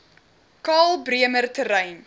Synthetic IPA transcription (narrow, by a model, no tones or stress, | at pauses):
kɑːlˠbriəmərtəɾɛjn